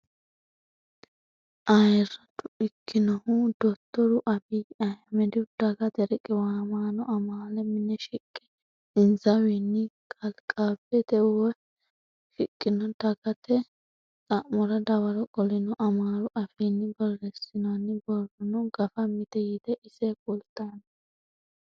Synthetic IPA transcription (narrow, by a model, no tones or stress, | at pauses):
ʔɐjɾɐt̪ʊɪkʰːɪnɔhʊd̪̥ɔt̪ːɔɾʊʔɐfiɐjmɛd̪ɪd̪̥ɐɡɐt̪ɛɾɛkʼɪwaːmaːnɔʔɐmaːlɛmɪnːɛʃɪkʼːɛ̥ | ɪnzɐwinːɪkʼɐlkʼabɛd̪ɛwɛ | ʃɪkʼːɪnɔd̪ɐɡɐt̪ɛ | t͡sʼɐʔmɔɾɐd̪ɐwɐɾɔkʼɔlɪnɔʔɐmaːɾʊʔɐfiːnːɪbɔrːɛsɪnanːɪbɔrɔnɔɡɐfɐmɪt̪ɛjɪd̪ɛʔɪsɛkʼʊlt̪ːɐnɐ